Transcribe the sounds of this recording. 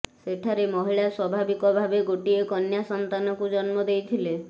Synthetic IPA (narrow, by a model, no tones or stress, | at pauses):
seʈʰaɾemɔɦiɭaswɔbʱabikɔbʱabeɡoʈiekɔnjasɔnt̪anɔkud͡ʒɔnmɔd̪ejt̪ʰile